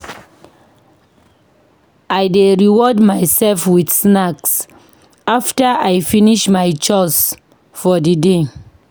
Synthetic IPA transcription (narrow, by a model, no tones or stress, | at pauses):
ajdeɹiwɔdmaɪsɛlfwidsnaks | aftaajfiniʃmajt͡ʃɔs | fɔdide